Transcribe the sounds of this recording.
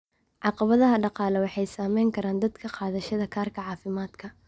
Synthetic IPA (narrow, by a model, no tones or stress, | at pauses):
ʕɑqɑβɐðɐɦɐɖɑqɑːlɛwɑħɑjsaːmɛjŋkʰɐɾaːnd̪ɐd̪kʰɐqɑːðɐʃɐðɐkʰaːrkʰɐʕɑːfɪmaːd̪kʰɐ